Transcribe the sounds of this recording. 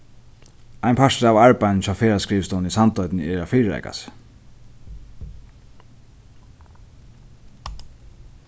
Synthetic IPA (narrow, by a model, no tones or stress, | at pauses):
ajnpʰaʂtavaɹpajnnt͡ʃʰaːfeːɾɹaskɾiːʋst̪ɔnisant̪ɔʏt̪nɪɛɹafiːɾɛ̰jka̰s